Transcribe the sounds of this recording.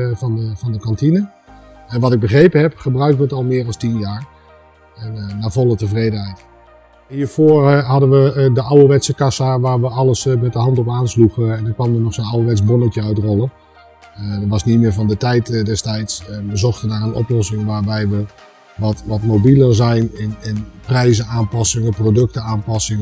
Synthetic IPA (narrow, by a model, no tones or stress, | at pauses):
fɑnəfɑndəkɑntinə | ɛnʋɑtɪɡ̚bəχrejpənɦɛpχəbrœɥk̚tʋəətɔlˠmɪːɾɑstinjaːr | ɛnnaːvɔlˠətəvrejdənɦɛjt | hiːɹfoːəɹɦɑdənʋədəʔawəʋɛtsəkasaʋaːɹʋəɑlˠəsmɛt̚dəɦɑntɔpaːnsluχɛndənkʋɑnənɔxsonawəʋɛtt͡sbonəkjəœɥtrɔlˠə | dəʋɑsnitmɪːɹvɑndətɛjtdɛstɛjtsʋəzɔxtədaːrənɔ̰plɔsɪŋʋaːɹbɛjʋə | ʋɔtʋɔtmobilərzɛjnɪnɪnprɛjzəaːnpɑsɪŋəprodɵk̚təaːnpɑsɪŋ